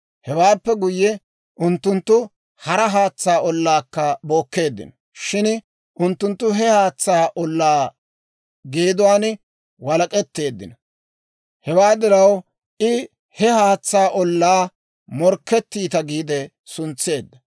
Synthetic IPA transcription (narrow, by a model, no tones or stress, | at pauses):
hɛwaːpːɛɡʊjːɛ | ʔʊnt̪ːʊnt̪ːʊ | hɐɾɐɦaːt͡sːaːʔɔlːaːkːɐbo̞ːkːe̞ːd̪ːɪ̰nɔ | ʃɪn | ʔʊnt̪ːʊnt̪ːʊɦɛhaːt͡sːaːʔɔlːaː | ɡeːd̪ʊwaːn | wɐlɐkʼɛt̪ːe̞ːd̪ːɪ̰nɐ | hɛwaːd̪ɪɾɐw | ʔɪ | hɛhaːt͡sːaːʔɔlːaː | mɔɾkːɛt̪ːiːt̪ɐɡiːd̪ɛ | sʊnt͡sːe̞ːd̪ːɐ